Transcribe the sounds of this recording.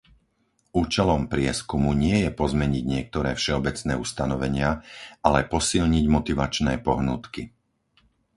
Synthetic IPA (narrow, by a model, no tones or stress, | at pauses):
uːt͡ʃɛlɔmpɾɪɛskumuɲɪɛjɛpɔzmɛɲiɟɲɪɛk̚t̪ɔɾɛ̰ːfʃɛɔbɛt͡snɛːust̪anɔʋɛɲɪaalɛpɔsilɲiɟmɔt̪iʋat͡ʃnɛːpɔɦnuːt̪ki